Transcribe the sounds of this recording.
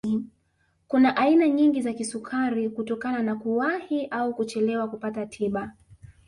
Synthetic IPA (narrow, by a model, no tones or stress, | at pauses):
kunaʔainaɲiŋɡizakisukʰaɾikutɔkananakuwahiʔaukut͡ʃɛlɛwakupatatʰiɓa